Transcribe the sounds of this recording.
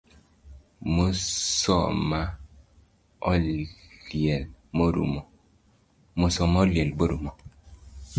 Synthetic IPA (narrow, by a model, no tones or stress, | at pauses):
mosɔma | ɔ | ijɛlmoɾṵmɔ | mosɔmɔljɛlboɾumɔ